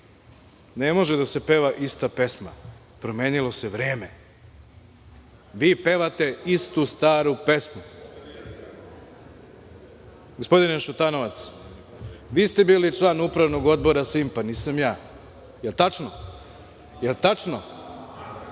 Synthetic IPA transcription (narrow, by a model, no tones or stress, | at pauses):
nemo̞ʒed̪ase̞pe̞ʋaʔist̪ape̞sma̰ | pɾomeːnilo̞seʋɾe̞ːme̞ | ʋiːpe̞ʋat̪e̞ist̪ust̪aːɾupe̞smu | ɡospo̞d̪ineʃut̪ano̞ʋat̪s | ʋiːst̪e̞biːlit͡ʃlˠaːnupɾaʋno̞ɡo̞d̪bo̞ɾasimpaniːsamjaː | jelt̪at͡ʂno | jelt̪at͡ʃno